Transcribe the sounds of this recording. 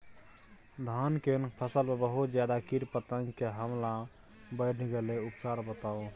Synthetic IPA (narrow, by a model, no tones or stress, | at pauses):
d̪ʱankenpʰəsəlmebəɦut̪d͡ʒjad̪akiɾpət̪ə̃ŋɡkeɦəmla | bəɽ̤ɡeleupkaɾbət̪ao